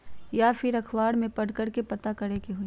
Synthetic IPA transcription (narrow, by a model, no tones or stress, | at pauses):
jaːpʰɪɾɐkʰwaːɽmẽpɐɽkɐɽkepɐt̪akɐɾekeɦui